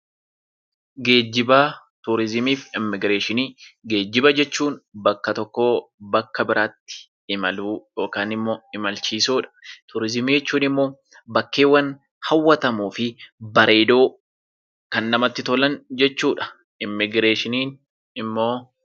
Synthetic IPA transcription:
ɡe̞ːd͡ʒːɪbaː | t̪ʊɾɪzɪmiːfɪmːɪɡɾeːʃɪniːɡe̞ːd͡ʒːɪbɐd͡ʒɛt͡ʃːuːnbɐkːɐt̪ɔkːo̞ːbɐkːɐbɪɾʔaːt̪ːɪ̥ | ɪmɐluːjo̞ːkaːnɪmːo̞ːɪmɐlt͡ʃiːsuːᶑɐ̥t̪ʊɾɪzɪmiːd͡ʒɛt͡ʃːuːnɪmːo̞ː | bɐkːeːwːɐn | hɐwːɐt̪ɐmuːfɪbɐɾe̞ːd̪o̞ː | kɐnːɐmɐt̪ːɪt̪ɔlɐnd͡ʒɛt͡ʃːuːᶑɐ̥ | ɪmːɪɡɾeːʃɪniːn | ɪmːo̞ː

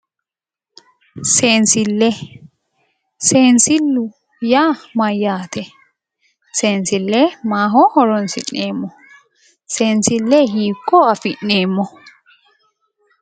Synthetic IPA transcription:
seːnsɪlːɛ | seːnsɪlːʊ | jaːmɐjːaːt̪ʰɛ | seːnsɪlːɛmaːɦɔhɔɾɔnsɪ̰nːeːmːɔ | seːnsɪlːɛhiːkːɔɐfɪnːeːmːɔ

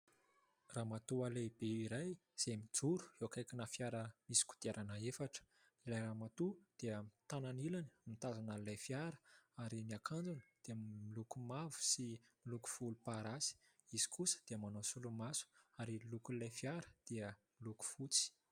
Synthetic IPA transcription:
raːmat̪ualeb̥eiɾajz̥emid͡zuɾu̥ewakajkʲinafjaɾəmisi̥ku̥t̪aɾʔanəefaʈ͡ʂə̥ | ilajɾamat̪ud̪̥eəmt̪ananilani̥mit̪azanalajfjaɾə̥aɾiniakʰand͡zunəd̪̥eəmilukumavu̥similuku̥fulupaɾasi̥ | iz̥i̥kusə̥d̪̥eəmanosulumasu̥aɾilukulajfiaɾə̥d̪̥eəmiluku̥fut͡si̥

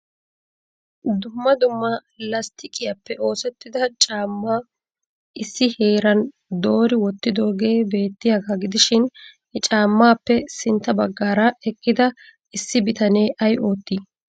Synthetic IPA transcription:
d̪ʊmːɐd̪ʊmːɐ | lɐst̪ɪkʼɪjɐpːɛʔo̞ːsɛt̪ːɪd̪ɐt͡ʃʼaːmːaː | ɪsːɪhe̞ːɾɐn | d̪o̞ːɾɪwɔt̪ːɪd̪o̞ːɡe̞ːbe̞ːt̪ːɪjaɡaɡɪd̪ɪʃɪn | ɛt͡ʃʼaːmːaːpːɛsɪnt̪ːɐbɐɡːaːɾɐɛkːɪd̪ɐ | ɪsːɪbɪt̪ɐneːʔɐjʔo̞ːt̪ːiː

